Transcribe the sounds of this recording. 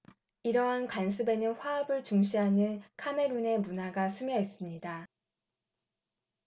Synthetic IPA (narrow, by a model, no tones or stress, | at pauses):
iɾʌɦankwans̬ʰɯbe̞nɯnɸwaʌbɯɭt͡ɕuŋɕ͈ʰiɦanɯnkʰame̞ɾune̞munaɡasʰɯmjʌes͈ɯmɲida